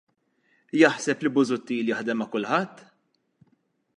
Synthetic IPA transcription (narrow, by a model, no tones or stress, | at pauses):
jɐħsɛplibʊzʊt̪ːiːljɐħd̪ɛmːɐkʊlħɐt̪ː